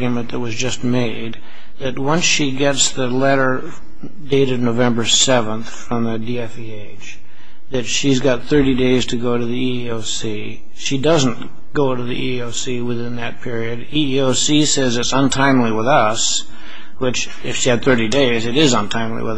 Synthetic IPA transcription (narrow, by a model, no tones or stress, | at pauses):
ɡjɨmɨ̃nðɨt̚wʌzd͡ʒʌst̚meɪd̪̚ | ðɨt̚wʌ̃nsʃiɡɛtsðɨlɛɾə˞ | deɪɾɨvnoʊvɛ̃mbə˞sɛvə̃nθfɹʌ̃mðɨdiɛfieɪd̥ʒ̥ | ðɨtʃizɡɑt̪̚θɜ˞ɾideɪz̥tʰɨɡoʊɾɨðii | oʊsi | ʃidʌz̃n̩ | ɡ̥oʊɾɨðḭʔioʊsiwɨθɪ̃nðɨt̚pʰɪɹiɨdiioʊsisɛzɨtsə̃ntʰãɪ̃mliwəðʌs | wɨt͡ʃ | ɨfʃiɨd̪̚θɜ˞ɾideɪzɨɾɪzə̃ntʰãɪ̃mlḭwəð